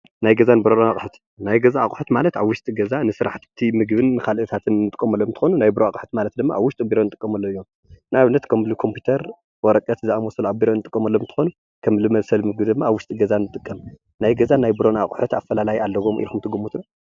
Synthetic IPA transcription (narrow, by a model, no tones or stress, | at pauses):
najɡɐzanbɨɾonnakʼħut̪ | najɡɐzaːkʼħut̪malɐt̪aβwʊʃt̪ʼiɡɐzanɨsɨɾa̰ħt̪bɨt̪ʰimɨɡbɨnːɨkʰalʔɨt̪ʰat̪ʰɨnːɨt̪ʼɨ̥kʼːɐmɐlːomɨnt̪ʰɨ̥xonunajbɨɾoakʼħu̥t̪malɐt̪̚d̪ɨmːa̰ʔaβwʊʃt̪ʼibiɾo̞nɨt̪ʼɨkʼːɐmɐlːoɨjːom | naβnːɐt̪kʰɐmlukʰo̞mpʰjut̪ʰɐɾ | wɔɾɐkʼɐt̪zɨamɔsɐluʔabiɾonɨt̪ʼɨkʼːɐmɐlːomnt̪ʰɨ̥xonu | kʰɐmlɨmɐβsɐlmɨɡbid̪ɨmːaːβwʊʃt̪ʼiɡɐzanːɨt̪ʼɨkʼːɐm | najɡɐzanajbɨɾo̞naχʼħut̪afːɐlalajialːɐɡo̞mʔḭlkumt̪ʰɨɡumːut̪ɨno